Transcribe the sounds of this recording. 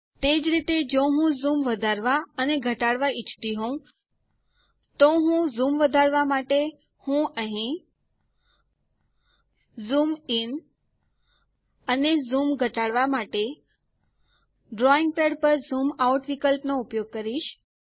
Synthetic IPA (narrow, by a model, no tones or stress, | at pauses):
t̪ed͡ʒɾit̪ed͡ʒoɦũzumʋəd̪ʱaɾʋaəneɡʱəʈaɽʋait͡ʃʰt̪iɦõ | t̪oɦũzumʋəd̪ʱaɾʋamaʈe | hũəɦĩ | zumin | ənezumɡʱəʈaɽʋamaʈe | ɖɾɔiŋɡ̚peɽpəɾzumauʈʋikəlpnoupjoɡ̚kəɾiʃ